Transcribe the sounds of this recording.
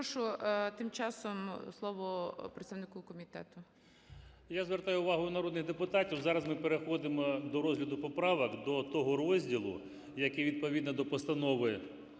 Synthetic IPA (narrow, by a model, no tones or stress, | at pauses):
ʃʊt̪ɪmt͡ʃɑsɔmslˠɔʋɔpɾet̪st̪aʋnɪkɔkɔmʲit̪ɛ̰t̪ʊ | jazʋert̪ɑjʊʊʋɑɦʊːnɐɾɔd̪nɪxd̪epʊt̪ɑtʲiwzɑɾɐzmɪpeɾexɔd̪ɪmɔd̪ɔɾɔzɦlʲɐd̪ʊpɔpɾɑʋɐkd̪ɔt̪ɔɦɔrɔzʲdʲilˠʊ̰ | jɐkɛʋʲid̪̚pɔʋʲid̪nɔd̪ɔpɔst̪ɐnɔʋɪ